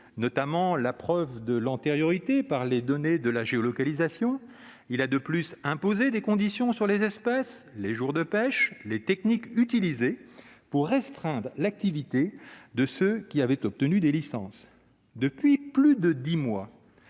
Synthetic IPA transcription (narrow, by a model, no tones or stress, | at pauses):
nɔt̪amɑ̃lapχœvd̪əlɑ̃t̪eʁjɔʁit̪epaʁled̪ɔned̪əlaʒeɔlɔkalizasjɔ̃ | ilad̪əplysɛ̃pozed̪ekɔ̃d̪isjɔ̃syʁlezɛspas | leʒuʁd̪əpɛʃlet̪ɛknikyt̪ilizepuʁːɛst̪χɛ̃d̪ʁəlak̚t̪ivit̪ed̪əsøkʲiavɛt̪ɔp̚t̪ənyd̪elisɑ̰̃s | d̪əpɥiplyd̪əd̪imwa